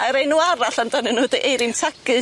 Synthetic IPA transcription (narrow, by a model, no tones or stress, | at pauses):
aɾejnuaɾaɬandanɨnʊːdəʔejɾɪntʰaɡɨ